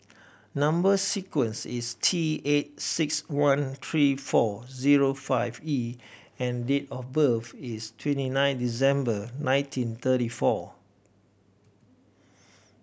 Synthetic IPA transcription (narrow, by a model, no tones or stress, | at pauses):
nãmbəsikwə̃nsistʰiet̚sɪkswãnt̪ʰɹifɔziɹofaɪvi | ɛ̃ndetɔfbəfistʰwɛ̃ntinãɪ̃ndis̬ɛ̃mbənãj̃ntʰĩnt̪əɾifɔ